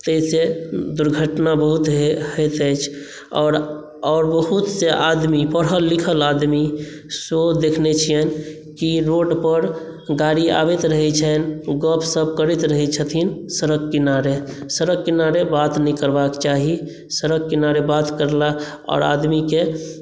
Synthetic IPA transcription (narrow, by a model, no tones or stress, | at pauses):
t̪əsed̪uɾɡʱəʈnabəɦut̪ɦɦət̪əjt͡ʃʰ | ɔ̰ːɾ | ɔːɾbəɦut̪seʔad̪mipəɽɦəlːikʰəlad̪mi | sod̪ekʰnet͡ʃʰijən | kiɾoɖpəɾ | ɡaɾia̰bet̪ɾəɦɛt͡ʃʰənɡəpʰsəb̚kəɾit̪ɾəɦɛt͡ʃʰət̪ʰinsəɾəɡkːinaɾesəɾəɡ̚kinaɾebat̪nɛ̃kəɾbakt͡ʃaɦi | səɾəɡ̚kinaɾebat̪kəɾla | ɔ̰ːɾa̰d̪mike